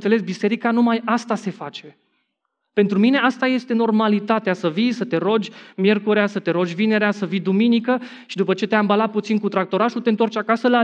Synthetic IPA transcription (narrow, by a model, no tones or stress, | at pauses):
sele̞sbise̞ɾikanumajast̪ase̞fat͡ʃe̞ | pe̞nt̪ɾumine̞ast̪aje̞st̪e̞no̞rmalit̪at̪easəvijsət̪e̞ɾo̞d͡ʒʲmje̞rkuɾeasət̪e̞ɾo̞d͡ʒʲvine̞ɾeasəvijd̪uminikə | ʃid̪upət͡ʃe̞t̪eambalat̪̚put̪sinkut̪ɾak̚t̪o̞ɾaʃut̪e̞ɨnt̪oart͡ʃʲakasəla